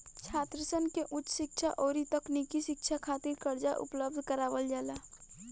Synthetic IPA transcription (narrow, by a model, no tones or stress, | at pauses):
t͡ʃʰaːt̪ɾəsənkeʔʊt͡ʃːsɪk̚t͡ʃʰaʔɔːɾit̪əknikiʃɪk̚t͡ʃʰakʰat̪iɾkəɾd͡ʒaʔʊ̰pləb̚d̪ʱkəɾaːbəld͡ʒaːla